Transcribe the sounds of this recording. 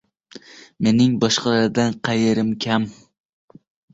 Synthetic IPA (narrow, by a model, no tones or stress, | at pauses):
me̞nɪŋbɒʃqʰɑlˠaɾd̪anqʰɑjeɾɪmkʲʰam